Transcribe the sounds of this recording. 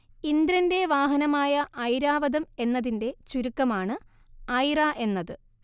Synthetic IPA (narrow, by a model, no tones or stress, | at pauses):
ind̪ɾɐnde̞ʋaːɦɐnɐmaːjɐʔɐjɾaːʋɐðɐme̞nːɐðinde̞t͡ɕuɾukːɐmaːɳɨ | ɐjraʔe̞nːɐðɨ